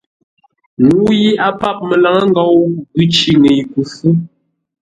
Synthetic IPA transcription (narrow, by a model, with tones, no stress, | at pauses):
ŋu˦ji˦a˦pa˦˨p̚mə˨la˨ŋa˦ŋ˦ɡa˨wɡʉ˦t͡ʃi˨ŋe˨jku˨fu˦